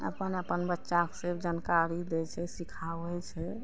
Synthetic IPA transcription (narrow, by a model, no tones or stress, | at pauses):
ə̰pənəpənbətːʃaksebd͡ʒankaɾid̪ɛt͡ʃʰɛsikʰabɛt͡ʃʰɛ